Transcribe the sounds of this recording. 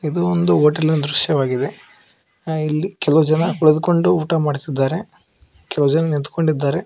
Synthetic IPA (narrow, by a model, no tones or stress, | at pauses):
id̪uond̪uoːʈɐlinɐd̪ɾuʃjɐʋaːɡid̪e̞ | ilːikɛlɐʋud͡ʒɐnɐkuɭɐd̪uko̞ɳɖuuːʈamaːɖt̪id̪ːaːɾe | kɛlɐʋud͡ʒɐnɐnint̪ko̞ɳɖid̪ːaːɾe